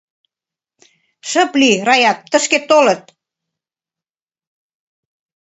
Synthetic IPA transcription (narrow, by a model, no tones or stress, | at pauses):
ʃə̆plirɑjɑt̪ːə̆ʃket̪olə̆t̪̚